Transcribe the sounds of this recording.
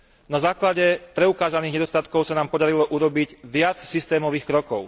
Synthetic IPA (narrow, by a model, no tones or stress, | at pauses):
nazaːklaɟɛpɾɛukaːzaniːɣɲɛd̪ɔst̪at̪kɔʊsanaːmpɔd̪aɾilɔʔuɾɔbiɟʋɪat͡ssist̪ɛːmɔʋiːxkɾɔkɔʊ